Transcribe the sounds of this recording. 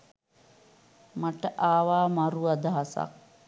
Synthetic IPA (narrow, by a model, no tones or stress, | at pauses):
maʈəʔaːʋaːmaɾuad̪aɦasa̰k̚